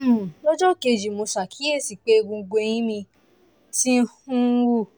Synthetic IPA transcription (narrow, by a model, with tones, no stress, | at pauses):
lɔ˦d͡ʒɔ˦˨ke˧d͡ʒi˨mo˨˧sa˨kʰi˨˦e˦˨si˨k͡pe˨˦ɡõ˧ɡ͡bo˧j̃ĩ˦mĩ˧ | ti˦hũ˦wu˦˨